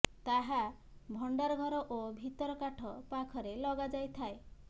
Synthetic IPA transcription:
t̪aɦa | bʱɔɳɖaɾɔɡʱɔɾɔʔobʱit̪ɔɾɔkaʈʰɔpakʰɔɾelɔɡad͡ʒajt̪ʰae

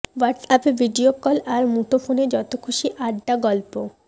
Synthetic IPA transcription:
waɾʈsapebʱiɖiokɔlaɾmuʈofʰoned͡ʑɔt̪okʰuʃiʔaɖːaɡɔlpo

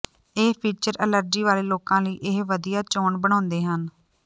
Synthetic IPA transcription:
eːpʰiːt͡ʃəɾələɾd͡ʒiːʋaːleːloːkãːləiːʔɪɦʋəd̪ijaːt͡ʃoːɳbəɽ̃ãːʊnd̪eːɦən

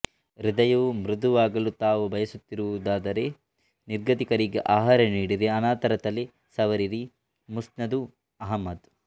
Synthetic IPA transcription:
ɾid̪ɐjuumɾud̪uʋaːɡɐlut̪aːʋubʱɐjɐsut̪ːiɾuʋud̪aːd̪ɐɾe̞ | niɾɡɐt̪ikɐɾiɡeʔaːɦaːɾɐniːɽiɾiɐnaːt̪ɐɾɐt̪ɐli | sɐʋɐɾiɾi | musnɐd̪u | ɐɦɐmːɐd̪

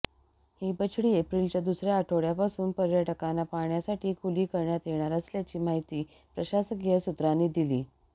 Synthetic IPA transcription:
hiːbət͡ɕʰɽiːepɾilt͡ɕjad̪usɾjaːʈʰoɽjapasuːnpəɾjəʈəkanːapaɳjasaʈiːkʰuliːkəɾɳjat̪jeɳ̃aɾəsljat͡ɕiːmaɦit̪iː | pɾəɕasəɡjəsut̪ɾanːiːd̪iliː

